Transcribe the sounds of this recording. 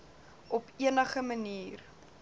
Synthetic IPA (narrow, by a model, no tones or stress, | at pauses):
ʔɔpiənəχəməniːr